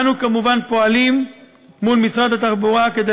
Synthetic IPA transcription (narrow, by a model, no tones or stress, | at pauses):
nukamuvanpo̞alimː | ulmisʁad̪at̪aχbuʁaked̪e